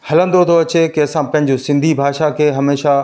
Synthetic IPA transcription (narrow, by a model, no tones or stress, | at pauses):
hɐlə̃nd̪ot̪ʰoɐt͡ɕekeːsãpɐ̃ɦɪ̃̆d͡ʑosɪ̃nd̪ʱibʱaːʃakʰeːɦɐmeːʃa